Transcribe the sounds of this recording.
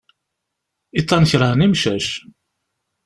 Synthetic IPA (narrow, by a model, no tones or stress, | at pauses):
it̪ˤːɑnəçɾˤənimʃæʃ